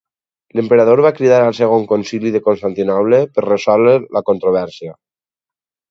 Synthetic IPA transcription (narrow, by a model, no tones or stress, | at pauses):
lempeɾaðoɾβakɾiðaɾalˠseɣ̞oŋkonsiliðekonst̪ant̪inɔβlepəɾresɔlelakont̪ɾoβ̞ɛɾsia